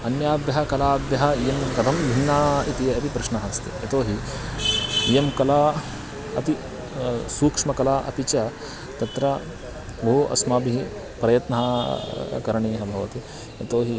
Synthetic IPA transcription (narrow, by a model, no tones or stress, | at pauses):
ɐnjaːbjɐɦɐkɐlaːbjɐɦɐjemkɐd̪ʱɐmbʱinːaːit̪iɐt̪ipɾɐʃnɐɦɐst̪ḭɐ̰t̪oːɦi | jemkɐlaː | ɐt̪i | suːkʂmɐkɐlaːʔɐ̰t̪it͡ʃɐ | t̪ɐt̪ɾɐ | bɐɦuɐ̰smaːbiɦi | pɾɐjɐt̪nɐɦɐ | kɐɾɐɳiːɦɐbʱɐʋɐ̰t̪i | ɐt̪oːɦi